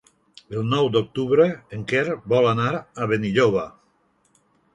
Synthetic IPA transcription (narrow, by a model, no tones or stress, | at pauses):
elˠnɔwd̪ok̚t̪uβɾeːŋkeɾbɔlanaɾaβeniʎoβ̞a